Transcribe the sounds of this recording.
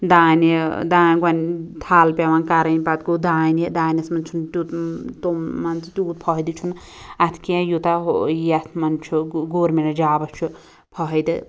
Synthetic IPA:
d̪aːned̪aːɡant̪ʰaːlpʲawaːnkaɾɐjnipat̪ɡod̪aːned̪aːjnɐsmɐnt͡ʃʰunt̪ut̪t̪oːant͡sʰit̪uːt̪̚pʰʌɦjd̪it͡ʃʰun | at̪ʰkiãjut̪ajat̪ʰmɐnt͡ʃʰuɡoɾmenɐd͡ʒaːbɐst͡ʃʰu | pʰʌɦɐjd̪ɨ

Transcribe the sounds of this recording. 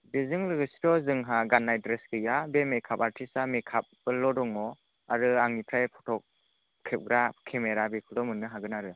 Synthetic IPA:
bezɯŋlɯɡɯsɾɔzɯŋɦaɡanːajdɾesɡɯjabemekʰapaɾtʰisamekʰap̚bɯlɔdɔŋɔ | aɾɯaŋnipʰɾajpʰɔtʰɔk̚ | kʰːep̚ɡɾakʰemeɾabekʰɯldɔmɯnːɯɦaɡɯnaɾɯ

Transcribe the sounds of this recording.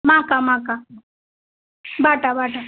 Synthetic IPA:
mãkamãːka | baːʈabaːʈa

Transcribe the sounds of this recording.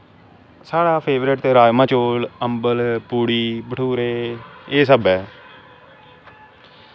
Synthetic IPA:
saːɽaːpʰeːʋɾɪʈt̪eːɾaːjmãːt͡ʃoːləmbəlpuːɽiːbəʈʰuːɾeːeːsəbɛː

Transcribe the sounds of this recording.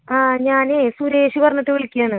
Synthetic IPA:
aːɲaːne̞suɾe̞ːɕipɐrɐɲːɐt̪ːeʋiɭikʲːijaːɳɨ

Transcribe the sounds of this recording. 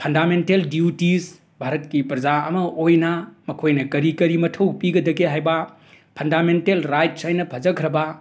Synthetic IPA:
pʰɐndamenteldiutis | bʱaɾɐt̚kipɾɐd͡ʒaɐmɐʔojnɐmɐkʰojnɐkɐɾikɐɾimɐtʰɐwpiɡɐd̪ɐɡeɦajbɐ | pʰɐndamentelɾajt̚sajnɐpʰɐd͡ʒɐkʰɾɐbɐ

